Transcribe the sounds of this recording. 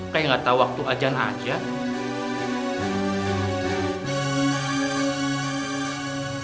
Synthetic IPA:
kajŋat̪awak̚t̪uʔad͡ʒanʔa̰d͡ʒa

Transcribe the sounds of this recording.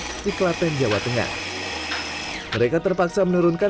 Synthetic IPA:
diklat̪ɛnd͡ʒawat̪əŋa̰h | məɾekat̪ərpaksamənuɾunka

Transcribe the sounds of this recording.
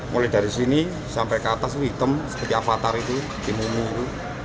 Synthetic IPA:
mʔulɛhɖ̥a̤ɾisini | sampɛkat̪as̬ɦit̪əmsə̥pət̪iafat̪aɾit̪u | t̪imumuɾu

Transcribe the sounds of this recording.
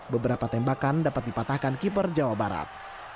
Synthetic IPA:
bəbəɾapat̪ɛmbakandapat̪̚dipat̪ahkankip̬ərd͡ʒawabaɾa̰t̪̚

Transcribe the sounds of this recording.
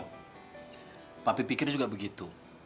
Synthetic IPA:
t̪apipikɪrd͡ʒuɡaʔbəɡit̪u

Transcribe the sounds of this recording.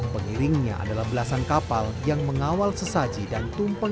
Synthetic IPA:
pəŋiɾɪŋɲa̰ʔa̰dalahbəlasankapaljaŋməŋawalsəsad͡ʒidant̪umpə

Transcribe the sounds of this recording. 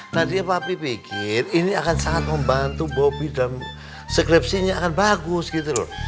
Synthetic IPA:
nant̪iapapipikɪriniakansaŋat̪̚məmbant̪ubawabidam | səkɾip̚siɲaakanbaɡʊsɡit̪ulɔ̰

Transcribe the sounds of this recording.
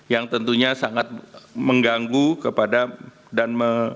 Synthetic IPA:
jaŋt̪ənt̪uɲasaŋat̪̚məŋɡaŋɡukəpada | danmə

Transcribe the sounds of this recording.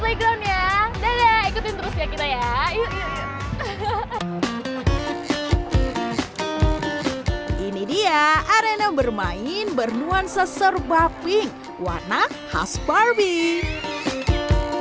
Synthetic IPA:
leɡɾamjadajaikut̪ɪnt̪əɾusiakit̪ajai | ʔinidiaʔaɾenabərmaɪnbərnuansəsərbapɪŋ | wa̰rnaha̰sbarbi

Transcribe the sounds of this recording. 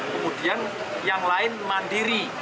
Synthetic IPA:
kəmudian | jaŋlaɪnmandiɾi

